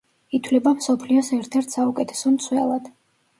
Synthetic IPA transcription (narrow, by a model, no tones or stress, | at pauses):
it̪ʰlɛbamsɔpʰliɔsɛɾt̪ʰɛɾt̪ʰsaukʼɛt̪ʰɛ̥sɔnt̪sʰwɛlˠad̪̥